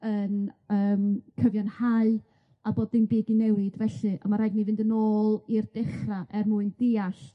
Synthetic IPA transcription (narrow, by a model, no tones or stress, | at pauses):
ənəːmkʰəvjɔnhaɨ | aboːdɪnbiːdinɛwɪdvɛɬɨʔa̰maɾajɡnivɪndənoːlˠird̥ɪχraʔɛrmuɨnd̥ɪːaɬ